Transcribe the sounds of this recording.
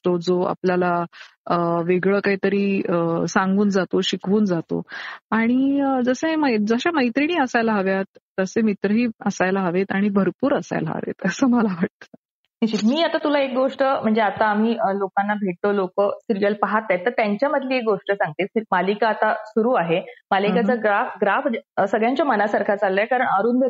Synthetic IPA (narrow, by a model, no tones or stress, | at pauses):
t̪od͡zoa̰pljalaəʋeɡɭəːkaɦiːt̪əɾiːəsãŋɡuːnd͡zat̪oɕikʰʋuːnd͡zat̪o̰aɽ̃id͡zəseməd͡zəɕaməjt̪ɾiɳiːəsajlaɦaʋjat̪ːəsẽmit̪ɾəɦiːəsajlaɦaʋet̪aɽ̃ibʱəɾpuːɾəsa̰jla̰ʋḛt̪əsəːməlaʋaʈ̚t̪ə̥ː | meɕit̪miːat̪at̪ulaek̚ɡoʂʈəm̤əɳd͡zeat̪aːm̤iːəlokanːabʱeʈ̚t̪olokəsiɾijəlpaɦat̪ːajt̪ːəɾt̪jaɲt͡ɕjaməd̪ʱliːek̚ɡoʂʈəsãŋɡ̚t̪emalikaːt̪asuɾuːaɦemalikat͡səɡɾafɡɾafsəɡɭjãɲt͡ɕjamənasaɾkʰat͡salːəekaɾəɳəɾuːnbʱe